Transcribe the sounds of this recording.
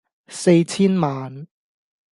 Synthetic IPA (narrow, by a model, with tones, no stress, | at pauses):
se˧jt͡sʰiː˥nmaː˨n